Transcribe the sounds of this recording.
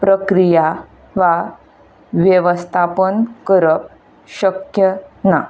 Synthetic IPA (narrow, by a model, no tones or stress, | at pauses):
pɾəkɾija | ʋa | ʋjəʋəst̪ʰapənkəɾəp̚ | ɕəkjəna